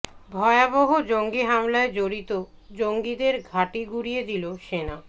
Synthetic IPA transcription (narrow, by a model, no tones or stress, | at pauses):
bʱɔeaboɦod͡ʑoŋɡiɦamlaed͡ʑoɾit̪o | d͡ʑoŋɡid̪eɾɡʱaʈiɡuɾijed̪iloʃena